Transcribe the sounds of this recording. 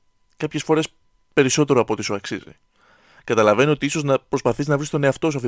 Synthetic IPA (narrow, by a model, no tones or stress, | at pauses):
kɐpçe̞sfo̞ɾe̞s | pe̞ɾiso̞t̪e̞ɾo̞ɐpo̞t̪isuɐksizḭ | kɐt̪ɐlɐve̞nio̞t̪iiso̞znɐpɾo̞spɐθiznɐvɾist̪o̞neɐft̪o̞suɐf